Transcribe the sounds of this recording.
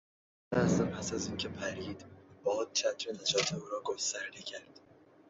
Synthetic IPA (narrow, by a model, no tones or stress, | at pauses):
næsæmpʰæsæziːncʲʰepʰæɾiːd̪̥bɒːd̪̥̚t͡ʃʰæt̪ʰɾenæd͡ʒɒːt̪ʰeuːɾɒːɡost̪æɾd̪ecʰæɾd̪̥